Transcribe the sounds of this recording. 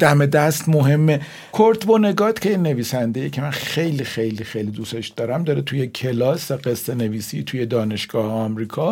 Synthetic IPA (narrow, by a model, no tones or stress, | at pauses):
d̪̥æmed̪æst̪moɦe̞mːe | kʰoɾt̪bone̞ɡɒːt̪cʰʲejne̞viːsænd̪ejecʰemænxe̞jlixe̞jlixejlid̪use̞ʃd̪̥ɒːɾæmd̪ɒɾet̪ʰujecʰe̞lɒːsæɢesːe̞ne̞viːsit̪ʰuje̞d̪ɒːne̞ʃɡ̥ɒːheɒmɾiːkʰɒ